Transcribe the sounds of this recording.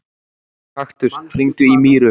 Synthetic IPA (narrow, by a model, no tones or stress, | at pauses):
haxt̪ʏst̪r̥iŋt̪ʏimiːɾʏ